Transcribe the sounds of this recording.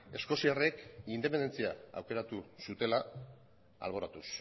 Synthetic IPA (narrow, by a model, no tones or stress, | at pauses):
e̞sko̞siare̞kind̪epe̞nd̪e̞nt͡sia̰a̰wke̞ɾat̪usut̪e̞la | a̰lβ̞o̞ɾat̪us